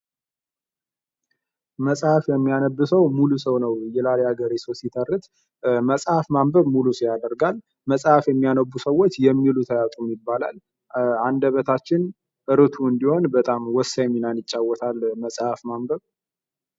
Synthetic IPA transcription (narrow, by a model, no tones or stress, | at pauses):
məsʼhafjɛmːijanəbːɨsəwmulusəwnəwjɛlaleaɡəɾisəwsit̪ʰərːɨt̪ | məsʼhafmambəβmulusəjad̪əɾɡal | məsʼhafjɛmːijanəbːusəwːot͡ʃːjɛmːilut̪ʰəjat̪ʼumjɪbːala̰l | and̪əβət̪ʰat͡ʃːɪn | ʔɨɾɨt̪ʰuɨnd̪iho̞nbət̪ʼamwɔsːajmːinanjɪt͡ʃʼːawːɔt̪ʰalməsʼhafmambəβ